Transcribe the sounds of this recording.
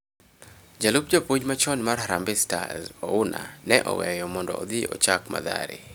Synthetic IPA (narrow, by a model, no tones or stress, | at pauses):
d͡ʒalup̚d͡ʒopud͡ʒmat͡ʃɔnmarɦaɾambɪsta̰zɔʊna̰nɛʔɔ̰wɛjɔmɔndɔ̰ːd̪iɔt͡ʃakma̰d̪a̰ɾɪ̰